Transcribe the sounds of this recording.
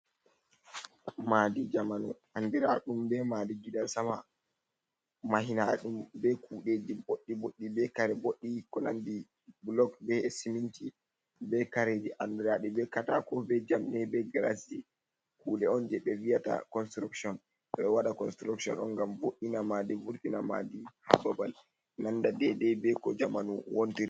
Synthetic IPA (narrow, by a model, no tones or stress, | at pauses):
madid͡ʒamanṵ | andiɾa̰ɗumbɛmadiɡidansama | maɦinaɗumbɛkʰuɗed͡ʒiboɗːiboɗːibɛkaɾɛboɗːikɔna̰ndi | blɔkbɛsiminti | bɛkaɾed͡ʒiʔandɛɾaɗɛbɛkatakɔbɛd͡ʒamnɛbɛɡalasi | kuːɗɛɔnd͡ʒɛɓɛvijata̰kɔnstɾuksɔn | ɓɛwaɗakɔnstɾuksɔ̰nɔ̰nɡamboɗːinamadivuɾtinama̰diha̰babal | nandadɛdɛbɛkɔd͡ʒamanuwontiɾi